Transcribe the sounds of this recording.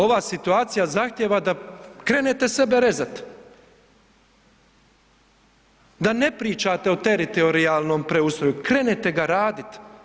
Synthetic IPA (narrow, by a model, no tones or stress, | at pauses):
o̞ʋaːsit̪uaːt̪sijazaxt̪jeːʋad̪akɾe̞ːnet̪e̞se̞be̞ɾe̞zat̪ | d̪ane̞pɾiːt͡ʃaːt̪e̞ot̪e̞ɾit̪ooɾiaːlˠno̞ːmpɾeust̪ɾo̞jukɾe̞net̪e̞ɡaɾaːd̪it̪